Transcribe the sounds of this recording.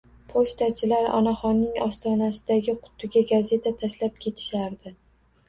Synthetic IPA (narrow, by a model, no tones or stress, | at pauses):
pʰoʃt̪at͡ʃʰɪlaɾɒ̰naχɒnːɪŋɒst̪ɒnasɪd̪aɡʲɪqʰʊ̥t̪ʰːʊɡʲaɡaze̞t̪ʰat̪ʰaʃlap̚kʲʰe̞t̪ʰɪ̥ʃaɾd̪ɪ